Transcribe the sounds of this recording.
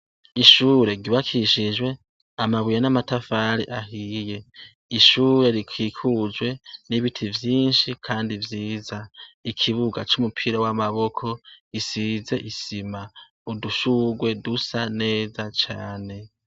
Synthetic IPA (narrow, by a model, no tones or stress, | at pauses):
iʃuːɾe̞ɡiβakʰiʃiʒwe̞ | amaβijanamatafaɾḭʔaɦiːje̞ | iʃuːɾe̞ɾikʰiːkʰud͡ʒwe̞niβitʰivjiːnʃikʰaːndivjiːzaikʰiβuɡat͡ʃomupʰiɾawamaβo̞kʰo̞isize̞ʔisima | uduʃuɡwe̞dusane̞ːzat͡ʃa̰ːne̞